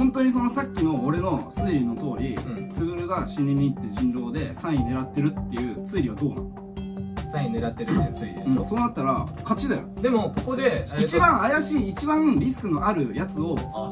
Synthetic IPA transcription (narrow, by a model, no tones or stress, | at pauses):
hõ̞nt̪o̞ɲ̟iso̞no̞sakʲːino̞ːɾe̞no̞sɨːɾʲino̞t̪o̞ːɾʲit͡sɨɡɯ̟ɾɯ̟ɡaɕiɲʲːiɲːiːt̪ːeʑĩnɾo̞ːd̪e̞sãɰ̃ine̞ɾat̪ːe̞ɾɯ̟t̪ːe̞iɯ̟ːsɨːɾʲiβad̪o̞ːnã̰n | sãine̞ɾat̪ːeɾɯeɯ̟̃so̞ːnat̪ːaɾakat͡ɕid̪ajo̰d̪emokokod̪e̞it͡ɕibãɰ̃ajaɕiːt͡ɕibãɯ̃ɾʲis̬ɨ̥kɯ̟no̞ʔaɾɯ̟jat͡sɨo̞